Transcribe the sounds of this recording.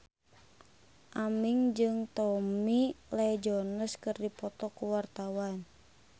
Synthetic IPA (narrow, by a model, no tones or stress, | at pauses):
ʔamiŋd͡ʒɨŋt̪ɔmilɛd͡ʒɔnəskɨrdipɔt̪ɔkuwart̪awan